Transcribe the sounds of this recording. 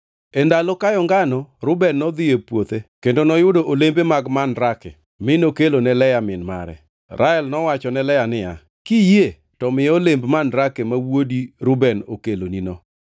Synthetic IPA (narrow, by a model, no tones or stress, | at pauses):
endalokajɔŋɡanɔɾʊbɛnːɔd̪ɪjepwot̪ekendonɔjʊdoʔolembemaɡmanɾakɛ̰ | mɪnokelonɛlɛjamɪnma̰ɾɛ̰ | ɾʔaɛlnɔwat͡ʃɔnɛlɛjanɪja̰ | kije | tɔmɪjɔlembmanɾakemawodiɾʊbɛnokeloninɔ